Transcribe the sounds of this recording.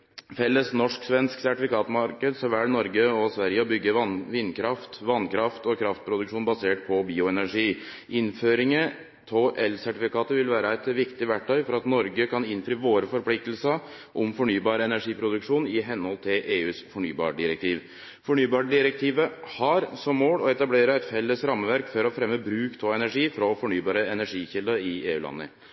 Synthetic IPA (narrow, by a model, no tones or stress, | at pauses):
fɛlːəsnɔʂksʋɛnsksæʈɪfɪkɑːt̪mɑɾkəd̪sɔʋæːɽnɔɾɡəɔsʋæɾjəɔbʏɡːəʋɪnkʰɾɑft̪ʋɑnkʰɾɑft̪ɔkʰɾɑft̪̚pʰɾʊd̪ʉkʂuːnbɑseːʈ̚pʰɔbiːʊɛnæʂiː | ʔɪnføːɾɪŋə | t̪ʰoːʔɛlsæʈɪfɪkɑːt̪əʋɪlʋæːɾəɛt̪ʋɪkt̪ɪʋæʈʰːœʏfɔɾɑt̪nɔɾɡəkʰɑnɪnfɾiːʋoːɾəfɔɾplɪk̚t̪əl̩sə | ʔɔmfɔɳyːbɑːɾəɛnæʂiːpʰɾʊd̪ʉkʂuːnɪɦɛnhɔlt̪ʰɪlʔeːʉːsfɔɳyːbɑ̰ːɖɪɾɛk̚t̪ʰiːʋ | fɔɳyːbɑːɖɪɾɛk̚t̪ʰiːʋəhɑɾsɔmːoːɽɔɛt̪ɑbleːɾəɛt̪fɛlːəsɾɑmːəʋæɾkfɔɾɔfɾɛmːəbɾʉːkt̪ʰoːɛnæʂiːfɾɔfɔɳyːbɑːɾəɛnæʂiːçɪld̪əɪeːʉːlɑ̰nːə̰